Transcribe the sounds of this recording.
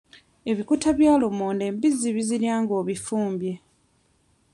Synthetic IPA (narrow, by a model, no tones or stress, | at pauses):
e̞βikutaβjaːlumoːnde̞ːmbizːiβiziɾjaːŋɡo̞ːβifuːmbje̞